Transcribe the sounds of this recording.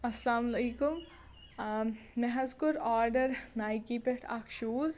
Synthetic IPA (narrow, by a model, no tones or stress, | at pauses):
ɐslaːmɐliːkʊm | neɦɐzkʊɾaːɾɖəɾnaːjkipeʈʰɐ̰kʰʃuːz